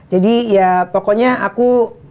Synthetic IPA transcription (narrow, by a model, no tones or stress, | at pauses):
d͡ʒadijapokɔɲaʔaku